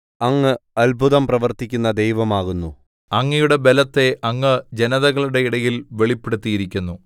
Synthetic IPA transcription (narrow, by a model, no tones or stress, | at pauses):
ɐŋːɨɐlbʱuðɐmprɐʋɐrt̪ikʲːunːɐd̪e̞jʋɐmaːɣunːu | ɐŋːɐjuɽe̞be̞lɐt̪ːe̞ʔɐŋːɨd͡ʑe̞nɐðɐɣɐɭuɽe̞iɽɐjilʋe̞ɭipːeɽut̪ːijiɾikʲːunːu